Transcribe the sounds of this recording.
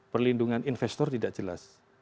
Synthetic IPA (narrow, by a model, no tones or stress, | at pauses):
pərlinduŋaninfɛst̪ɔrt̪idaʔd͡ʒ̥əla̰s